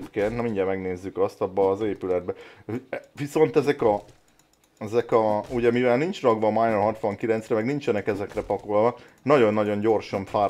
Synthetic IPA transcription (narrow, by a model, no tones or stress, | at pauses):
pkeːnt̪nɒmiɲɟɛmɛɡneːzːykɒst̪ɒbːɒːzeːpylɛd̪̚bɛ | ʋiso̞nt̪ɛzɛkɒ | ɛzɛkɒuɟɛmivɛlnint͡ʃrɒɡʋɒmajnulɦɒt̪ʋɒŋkilɛntsrɛmɛɡnint͡ʃɛnɛkɛzɛkrɛpɒkolvɒk | nɒɟo̞nːɒɟo̞ɲɟo̞rʃɒɱfaː